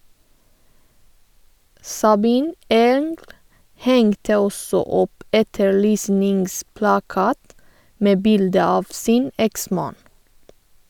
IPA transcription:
sɑˈbiːn ˈeːŋɡl ˈhɛŋtə ˈɔsɔ ˈɔp ˈʔɛtəɹˌlyːsnɪŋsplɑˌkɑːt ˈmeː ˈbɪldə ˈɑːʋ ˈsiːn ˈɛkˌsmɑːn

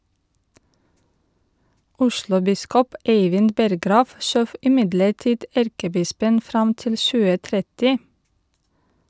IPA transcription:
ˈʊʃlʊˌbɪskɔp ˈeɪʋɪn ˈbɛɾɡɾɑːʋ ˈʃøːʋ ɪˈmɪdləˌʈiːd ˈæɾkəˌbɪspən ˈfɾɑm ˈtɪl ˈʃʉːə ˈtɾɛtɪ

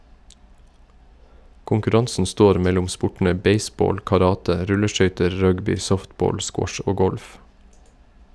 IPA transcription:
kʊŋkʉˈɾɑnsn̩ ˈstoːɾ ˈmɛlʊm ˈspʊʈɳ̩ə ˈbeɪˌsboːl kɑˈɾɑːtə ˈɾʉləˌʃœʏtəɹ ˈɹœɡbɪ ˈsɔftˌboːl ˈskwɔʃ ə ˈoː ˈɡɔlf

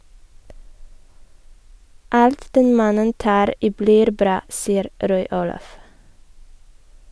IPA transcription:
ˈɑlt ˈdɛn ˈmɑnən ˈtɑːɾ ˈiː ˈbliːɾ ˈbɾɑː ˈsiːəɾ ˈɾɔʏ ˈuːlɑf

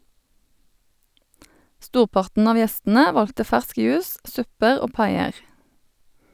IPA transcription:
ˈstuːʁˌpɑʁtn̩ ˈɑʋ ˈjɛstn̩ə ˈʋɑltə ˈfæʁsk ˈjʉːs ˈsʉpəʁ ˈoː ˈpɑɪəʁ

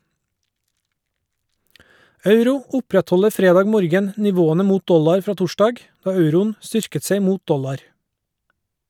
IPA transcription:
ˈɑʉɾʊ ˈʊpɾɛtˌhɔləɾ ˈfɾeːˌdɑːɡ ˈmoːɾɡən nɪˈʋoːənə ˈmuːt ˈdɔlɑɾ ˈfɾɑː ˈtʊˌʃdɑɡ ˈdɑː ˈɑʉɾʊn ˈstʏɾkət ˈseɪ ˈmuːt ˈdɔlɑɾ

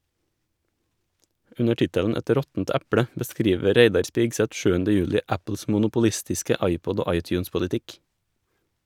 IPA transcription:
ˈʉnə ˈʈɪtəʎn̩ ˈɛt ˈɾɔtn̩t ˈæpɽə bəˈskɾiːʋə ˈɾeɪdɑɾ ˈspiːɡsɛt ˈʃʉːəndə ˈjʉːʎɪ ˈæpl̩s mʊnʊpʊˈʎɪstɪskə ˈɑɪˌpɔd ˈoː ˈɑɪˌtjʉːnspʊʎɪˌtɪk

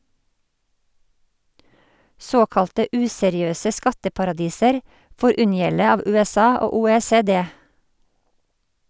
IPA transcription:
ˈsoːkɑltə ˈʉːsɛɾɪˌøːsə ˈskɑtəpɑɾɑˌdiːsəɾ ˈfoːɾ ˈʉnjɛlə ˈɑːʋ ˌʉːɛˈsɑː ˈoː ˌuːˌeːˌseːˈdeː

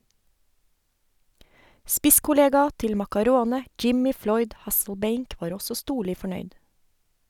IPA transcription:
ˈspɪskʊˌleːɡɑ ˈtɪl mɑkɑˈɾoːnə ˈd͡ʒɪmɪ ˈflɔʏd ˈhɑsl̩ˌbeɪŋk ˈʋɑːɾ ˈɔsɔ ˈstuːɭɪ fɔˈɳœʏd

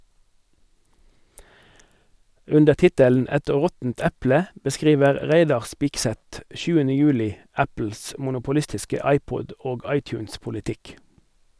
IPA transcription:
ˈʉndə ˈtɪtəln̩ ˈɛt ˈʁɔtn̩t ˈɛplə bəˈskʁiːʋəʁ ˈʁæɪdɑʁ ˈspɪksɛt ˈʃʉːənə ˈjʉːlɪ ˈæpl̩s mʊnʊpʊˈlɪstɪskə ˈɑɪˌpɔd ˈoːɡ ˈɑɪˌtjʉːnspʊlɪˌtɪk

